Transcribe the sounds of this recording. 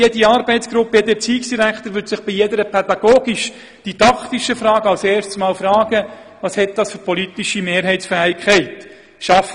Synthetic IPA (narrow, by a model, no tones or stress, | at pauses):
jediɑːɾbɛɪt̪sɡ̥ɾʊpːəjɛd̪ət͡siːksd̥iɾækχt̪əɾʋʏtsɪχb̥ijed̪əɾəpʰɛd̪ɑɡ̥oːɡiʃ | d̥id̥̪ɑkʰt̪iʃəfɾɑːɡəɑlseːɾʃtsmɑːlfɾɑːɡ̥ə | ʋɑːshɛt̪̚d̥̪ɑsfʏɾpʰɔlit̪iʃimeːɾɦɛɪtsfæːɪkχɛɪt̪ | ʃɑf